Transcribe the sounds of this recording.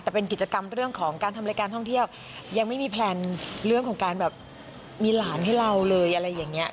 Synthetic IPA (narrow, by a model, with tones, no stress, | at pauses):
t̪ɛː˨˩pe˧nki˨˩t͡ɕa˧ka˧mɾɯ˥˩əŋkʰɔː˩˦ŋkaː˧na˧ma˧˥kaː˧nt̪ʰɔ˥˩ŋt̪ʰi˥˩əw | ja˧ŋma˥˩jmiː˧pʰlɛː˧nɾɯ˥˩əŋkʰɔː˩˦ŋkaː˧nbɛː˨˩p̚ | miː˧laː˩˦nha˥˩jɾa˧wlɤː˧jʔa˧ɾa˧jːaː˨˩ŋːi˦˥ɐ